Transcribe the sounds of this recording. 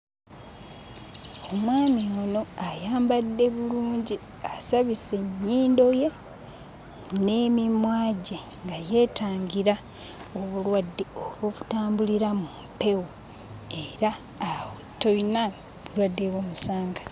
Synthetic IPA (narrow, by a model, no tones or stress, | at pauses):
o̞mwaːmiono̞ajaːmbadːe̞βuluːɲɟi | asaβise̞ɲːiːndo̞je̞ | ne̞mimwaːɟe | ŋɡaje̞ːtaːŋɡiɾa | oβulwadːeoβoβutaːmbuliɾamumpe̞wo | e̞ɾaː | wutːo̞ina | βulwadːeβwomusaːŋɡa